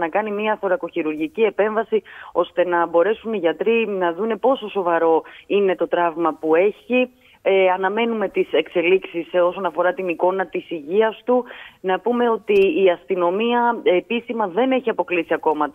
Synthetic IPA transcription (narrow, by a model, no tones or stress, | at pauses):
nɐkɐnimiɐθo̞ɾɐko̞çiɾuɾʝicie̞pe̞ɱvɐsio̞st̪e̞nɐbo̞ɾe̞suniʝɐt̪ɾinɐðune̞po̞so̞so̞vɐɾo̞ine̞t̪o̞t̪ɾɐvmɐpue̞çi | ɐnɐme̞nume̞t̪ise̞kse̞liksiso̞so̞nɐfo̞ɾɐt̪iniko̞nɐt̪isiʝiɐst̪unɐpume̞ot̪iːɐst̪ino̞miɐepisimɐðe̞ne̞çiɐpo̞klisiɐko̞mɐ